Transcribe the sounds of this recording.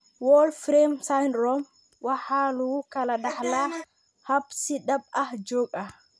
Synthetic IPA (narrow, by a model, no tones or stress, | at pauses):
wɔlfɾemsajndɾɔm | wahaluwukalaɗahla | habsiɗabahd͡ʒɔɡa